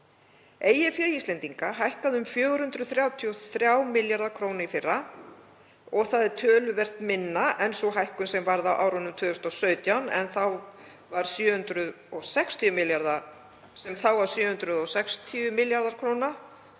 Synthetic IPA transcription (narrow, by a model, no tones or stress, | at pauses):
eːjɪfjœːjist̪lɛnt̪iŋkaɦajhkaðʏmfjœːɣʏɾ̥hʏnt̪ɾʏðθɾjaːwt̪ʰiɔθɾjawmɪljaɾðaɾkʰɾoːwnaifɪrːa | ɔɣθaðɛɾt̪ʰœːlʏvɛr̥t̪mɪnːaʔɛnsɔɣɦajhkʏnsɛmvaɾðawʔa̰ːwɾɔnʏmt̪ʰʏːðʏst̪ɔsœːɥt̪jawnɛ̰nθaw | vaɾ̥sjʏːhʏnt̪ɾʏð | ɔɣsɛkst̪ʰiʏmɪljaɾða | sɛmθawvaɾ̥sjʏːhʏnt̪ɾʏðɔsɛkst̪ʰiʏmɪljaɾðaɾ̥kʰɾowna